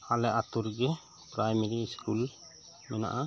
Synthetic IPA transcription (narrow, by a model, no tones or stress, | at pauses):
alɛat̪uɾɡɛ | pɾajmeɾiskul | mɛna̰ʔa